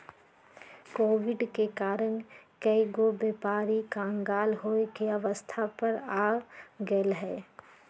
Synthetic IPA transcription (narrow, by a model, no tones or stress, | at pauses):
koːʋɪɖkekaːɾənkəiɡobeːpaːɾikãːŋɡaːlɦoːekeɐʋəst̪ʰapəɾaːɡelɦɛː